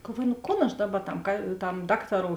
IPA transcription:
ɡɐlˠˈʋuɔjʊ nʊ ˈkoːn ɐʃ ˈdɑːˌbɐ tɐm kɐ tɐm ˈdɑːktɐˌroːʊ

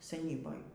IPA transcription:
sʲɛˈnʲiːboːj

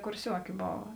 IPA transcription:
kʊrʲˈsʲuɔkʲɪ ˈboːʋɐ

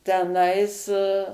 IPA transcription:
tʲɛˈnɐɪs

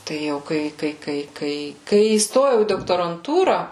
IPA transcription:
tɐɪ ˈjɛʊ ˈkɐɪ ˈkɐɪ ˈkɐɪ kɐɪ kɐɪ iːsˈtoːjɛʊ iː doːktoːrɐnˈtuːrɐ

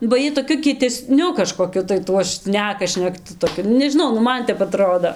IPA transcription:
bɐ ˈjiɛj toːˈkʲʊ kʲiɛtʲɛˈsʲnʲʊ kɐʃkoːˈkʲʊ tɐɪ ˈtuɔ ˈʃʲnʲæːkɐ ʃʲnʲɛkˈtʊ toːˈkʲʊ nʊ nʲɛʒʲɪˈnɐʊ nʊ ˈmɐn ˈtʲɛp ɐˈtroːdoː

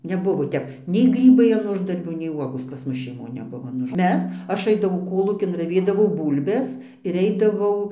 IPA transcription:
nʲɛˈbʊʋoː ˈtʲɛp nʲɛɪ ˈɡrʲiːbɐɪ ɐn ˈʊʒdɐrʲbʲuː nʲɛɪ ˈʋuɔɡoːs pɐs ˈmʊs ʃʲɛɪˈmoːn nʲɛˈbʊʋoː ɐn ˈʊʃ ˈmʲɛs ˈɐʃ ˈɐɪdɐʋɐʊ ˈkoːlˠuːkʲɪn rɐˈʋʲeːdɐʋɐʊ ˈbuːlʲbʲɛs ɪr ˈɛɪdɐʋɐʊ

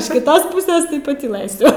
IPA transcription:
ɪʃ kʲɪˈtoːs ˈpʊsʲɛs tɐɪ pɐtʲiːˈlˠɘsʲʊ

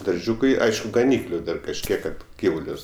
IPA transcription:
dɐrʲˈʒʲuːkɐɪ ˈɐɪʃkʊ ɡɐˈnʲiːklʲʊ ˈdɐr kɐʃʲˈkʲiɛk ˈkɐt ˈɡʲiːʋʊlʲʊs

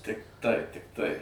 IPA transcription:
ˈtʲɪk tɐɪ tʲɪkˈtɐɪ

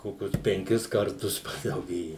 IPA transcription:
ˈkoːkʲʊs pʲɛŋʲˈkʲɪs kɐrˈtʊs pɐdɐʊˈɡʲeːjɛ

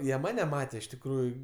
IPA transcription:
ˈjiɛ ˈmɑːnʲɛ ˈmɑːtʲeː ɪʃ tʲɪkˈruːjʊ

